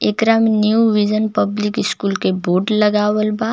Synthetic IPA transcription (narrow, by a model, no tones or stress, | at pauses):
eːkɾamenjuʋid͡ʒənpɐblɪkɪskuːlkeboːɾɖlɐɡaːwəlbaː